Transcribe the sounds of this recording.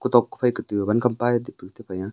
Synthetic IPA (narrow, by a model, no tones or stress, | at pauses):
kut̪ɔkːu̥pʰajkɯt̪ɯbankʰampajdipɯkt̪ʰepʰaja